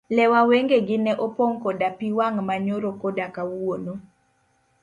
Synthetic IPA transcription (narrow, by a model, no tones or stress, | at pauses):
lɛwaweŋɡeɡɪnɛʔɔpɔŋkɔdapiwaŋmaɲoɾokɔdakawono